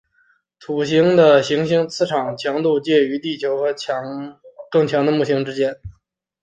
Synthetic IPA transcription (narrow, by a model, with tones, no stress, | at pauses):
t̪ʰu˨˩ɕi˧˥ŋd̪ə˨ɕi˧˥ŋɕi˧˥ŋt͡sʰɹ̩˥˧ʈ͡ʂʰɑ˨˩ŋt͡ɕʰjɑ˧˥ŋt̪u˥˧t͡ɕjɛ˥˩y˧˥t̪i˥˩t͡ɕʰjo˧˥ʊxɤ˧˥t͡ɕkɤ˥˩ŋt͡ɕʰjɑ˧˥ŋd̪ə˧mu˥˩ɕi˧˥ŋʈ͡ʂɻ̩˥t͡ɕjɛ˥˧n